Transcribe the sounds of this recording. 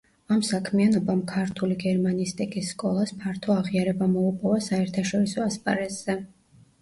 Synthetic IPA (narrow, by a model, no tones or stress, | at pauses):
amsakʰmianɔbamkʰaɾt̪ʰuliɡɛɾmaniːst̪ʼikʼisːkʼɔlˠaspʰaɾt̪ʰɔaʁiaɾɛbamɔupʼɔvasaɛɾt̪ʰaʃɔɾisɔaspʼa̰ɾɛz̥ɛ